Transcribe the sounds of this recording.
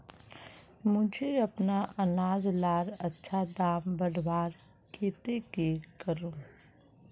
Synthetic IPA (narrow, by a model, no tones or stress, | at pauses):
mʊd͡ʒʱeɐpnaʔɐnaːd͡ʒlaːɾɐtːʃʰad̪aːmbəɽʋaːɾkʰeːt̪ekekəɾũː